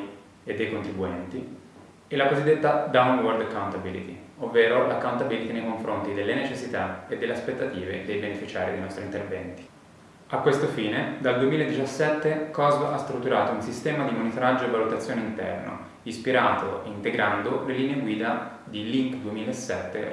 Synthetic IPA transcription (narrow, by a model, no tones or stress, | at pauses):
ed̪ːejkont̪ɾibuɛnt̪i | ɛlakozid̪ːet̪ːad̪awnword̪akːawnt̪abilḭt̪iovːeːɾolakːawnt̪abilit̪inejkoɱfɾont̪id̪elːenet͡ʃesːit̪aed̪ːelːeaspet̪ːat̪iːvḛd̪ejbenefit͡ʃaːɾid̪ejnɔst̪ɾint̪ervɛnt̪i̥ | akːwest̪ofiːned̪ald̪uemiːlaed̪ːit͡ʃasːɛt̪ːekɔzbast̪ɾut̪ːuɾaːt̪ounsist̪ɛːmad̪imonit̪oɾad͡ʒːoevːalut̪at̪sːjoːneint̪ɛ̰rno̰ | ispiɾaːt̪ʰo̰eint̪eɡɾand̪oleliːneeɡwiːd̪a | d̪iliŋkd̪uemiːlaesːɛt̪ːḛ